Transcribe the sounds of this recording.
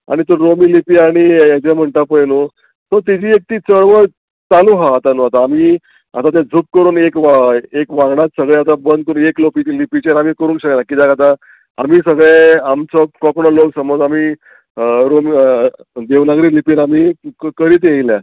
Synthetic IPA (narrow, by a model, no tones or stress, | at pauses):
a̰ɽ̃it̪oɾomiːlipiːaɽ̃ijat͡ɕam̤əɳʈapəjnu | t̪ɔt̪id͡ʑijek̚t̪iːt͡səɭʋəɾ | t͡s̪anuɦaːt̪anũat̪aːmiː | a̰t̪at̪ẽd͡zʱuːp̚kəɾuːnekʋaekʋãɡɳat̪səɡɭeat̪abənd̪̚kəɾueklopit͡ɕilipit͡ɕeɾamiːkəɾuːnkɕəklakid̪akat̪a | a̰miːsəɡɭeamt͡sɔkɔkɳɔloksəmod͡zami | ɾomi | d̪eʋnaɡɾiːlipiɾamikəɾit̪̬eilja